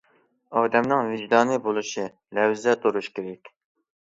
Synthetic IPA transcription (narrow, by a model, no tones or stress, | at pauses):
ɑːd̪ɛmnɨŋvɪd͡ʒd̪ɑːnɨbolˠɨʃi | lɛwzɛt̪oɾuʃkʲeɾɛkʲ